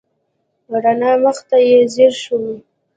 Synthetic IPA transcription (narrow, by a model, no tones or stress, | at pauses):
waɽanɑməxt̪ajezeɾʃuwi